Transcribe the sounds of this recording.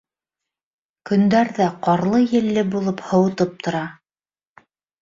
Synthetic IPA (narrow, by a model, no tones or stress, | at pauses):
kɵ̆nd̪æɾðæqɑɾlˠɤjɘ̆lːɘbulˠɤphɤ̆wɤ̆t̪ɤp̚t̪ʰŏɾɑ